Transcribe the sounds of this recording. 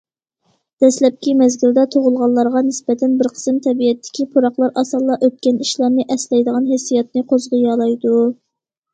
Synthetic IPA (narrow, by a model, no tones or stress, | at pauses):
d̪̥ɛslɛp̚kʲimɛzɡʲild̪ɛt̪ʰoʁʊlˠʁɑlˠːɑɾʁɑnɪsbɛt̪ʰɛnbɪɾqʰə̥sɨmt̪ʰɛbijɛt̪ʰːɪ̥kʲipʰuɾɑχlˠɑɾɑsɑlˠːɑʔøt̪̚kʲɛniʃlˠɑɾnɨʔɛslɛjd̪əʁɑnɦesːijɛt̪̚nɨqʰozʁɨjɑːlˠɑjd̪u